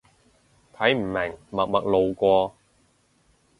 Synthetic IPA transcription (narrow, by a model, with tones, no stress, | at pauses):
t̪ʰɐ˨˥jm̩˨˩mɪ˨˩ŋmɐ˨k̚mɐ˨k̚lo˨wkʷɔː˧